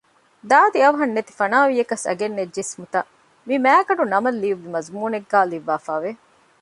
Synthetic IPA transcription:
d̪aːd̪iɐʋɐɦɐnːet̪i̥fɐnaːʋijekɐsɐ̰ɡenːed͡ʒːesmut̪ɐ | mimæːɡɐɖunɐmɐlːiuʋːimɐzmuːneɡːaːliʋːaːfaːʋe

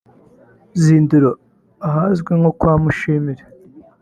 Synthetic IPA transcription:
ziːnduɾo | aɦazɡweŋokwaːmuʃiːmiɾe

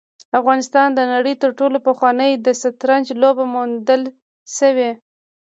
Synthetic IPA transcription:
afɣɑnɪst̪ɑnd̪ənaɽəjt̪əɾʈolopəxwɑnəjd̪əsat̪ɾand͡ʒlobamund̪əl | ʃəwe

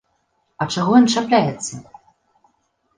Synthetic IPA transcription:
ɐt͡ʂaɣɔjɔnt͡ʂaplʲajɛt̪sːɐ

